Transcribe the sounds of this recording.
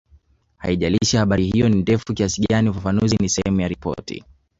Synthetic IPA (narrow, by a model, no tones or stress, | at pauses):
ha̰iʄaliʃahaɓaɾihijɔnindɛfukiasiɠaniufafanuzinisɛhɛmujaɾipɔ̰tḭ